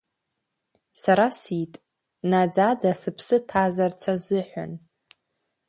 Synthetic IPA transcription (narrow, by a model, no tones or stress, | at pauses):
saɾasitʼ | nad͡zad͡zasɨpʰsɨtʰazart͡sʰazɨħʷᶣa̰n